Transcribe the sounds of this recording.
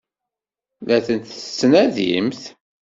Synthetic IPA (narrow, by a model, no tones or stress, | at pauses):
læθənt̪θəsːnæðḭmθ